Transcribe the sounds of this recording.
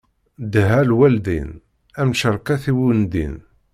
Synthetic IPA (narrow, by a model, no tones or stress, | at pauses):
d̪ɦælwæld̪ḭn | æmʃəɾˤqæθiwund̪ḭn